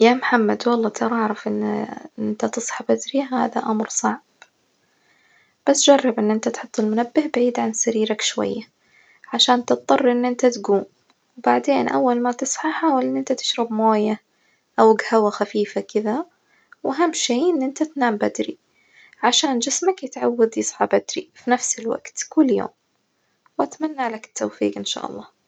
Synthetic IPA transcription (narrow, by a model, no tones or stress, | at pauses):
jaːmħamːad̪wɑlˤːɑːt̪ʰɑɾˤʔɑʕɾˤɑfʔɪnːɪnt̪at̪ɨsˤħɑbad̪ɾiɦa̰ːða̰ʔamɾsˤɑʕb̥ | b̥asd͡ʒɑrˤːɑbʔɪnːʔɪnt̪at̪ħʊt̪ˤːɪlmʊnabːɪhbaʕiːd̪ʕansaɾiːɾakʃwa̰jːa | ʕaʃaːnt̪ɨt̪̚ˤðˤɑrˤːʔɪnːʔɪnt̪at̪ɡuːn | wbaʕd̪eːnʔa̰wːalmat̪ɨsˤʕɑħaːwalʔɪnːʔɪnt̪at̪ɪ̥ʃɾɑbmoːja | ʔawɡhawaxafiːfakɪða | wʔaɦamːʃeːʔɪnːʔɪnt̪at̪naːmbad̪ɾi | ʕaʃaːnd͡ʒɪsmakjɪt̪ʕawːad̪jɨsˤʕɑbad̪ɾifinafsɪlwa̰ɡ̥t̪kʊlːjo̰ːm | wʔat̪manːalakɪ̥t̪ʰːawfḭːqʔɪnʃa̰ːʔɑ̰lˤːɑː